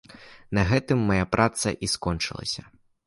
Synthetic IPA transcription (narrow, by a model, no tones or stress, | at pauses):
nɐɣɛt̪ɨmːɐjapɾʔat̪sɐ̰ʔiskɔnt͡ʂɨ̰lˠɐ̰sʲɐ